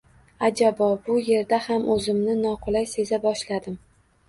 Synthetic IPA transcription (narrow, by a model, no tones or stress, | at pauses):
ad͡ʒabɒbʊje̞ɾd̪ahamʔɵzɪmnɪnɒqʰʊlˠajse̞zabɒʃlad̪ɪm